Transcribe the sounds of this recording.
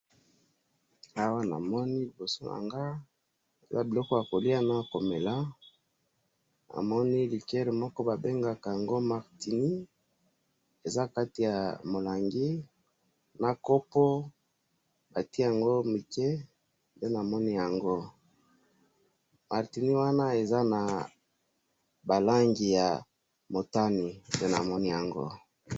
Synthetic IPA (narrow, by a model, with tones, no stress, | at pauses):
a˦wa˦na̰˨mɔ˦ni˦li˨bo˨so˦na̰˨ŋɡa˦ | e˨za˦bi˨lɔ˦kɔ˦ja˨ko˨li˦a˦na˦ko˨me˨la˦ | a̰˨mɔ˦ni˦li˨kɛ˦ʁe˨mɔ˦kɔ˦ba˨be˦ŋɡa˨ka˨ja˨ŋɡo˦ma˨ʁti˨ni˦ | e˨za˦ka˦ti˨ja˨mo˨la˨ŋɡi˦ | na˦ko˦po˦ | ba˨ti˦ja˨ŋɡo˦mi˨ke˦ | pe˦na˨mɔ˦ni˦ja˨ŋɡo˦ | ma˨ʁti˨ni˦wa˦na˦e˨za˦na˨ | ba˨la˦ŋɡi˨ja˨ | mo˨ta˦ni˨pe˦na̰˨mɔ˦ni˦ja˨ŋɡo̰˦